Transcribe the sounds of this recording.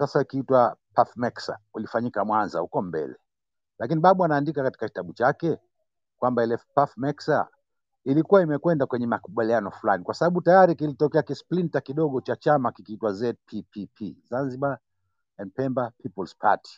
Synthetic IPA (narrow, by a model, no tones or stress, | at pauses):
sasaikiitwapafmɛksa̰ulifaɲikamwanza̰hṵkɔmbɛ̰lɛ | lakiniɓaɓɔanaːndikakati̥kaki̥taɓut͡ʃakɛ | kwambaɛlɛfpafmɛksa̰ | ilikuwaimɛkwɛndakwɛɲɛmakuɓalianɔfulanikwasaɓaɓutajaɾikilitɔkɛakisplintakiɗɔɠɔt͡ʃat͡ʃamakikiitwazɛt̚pʰipʰipʰizanziɓa | ɛndpɛmbapipɔlspʰa̰ti̥